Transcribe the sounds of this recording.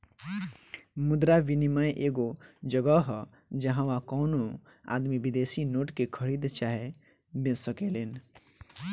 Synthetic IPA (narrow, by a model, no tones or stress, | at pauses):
mʊd̪ɾaʋinimajʔeɡod͡ʒəɡəɦ | d͡ʒəɦãʋãkɔʊno | a̰d̪mibid̪esinoːʈkekʰəɾid̪t͡ʃaɦe | bẽsəkelen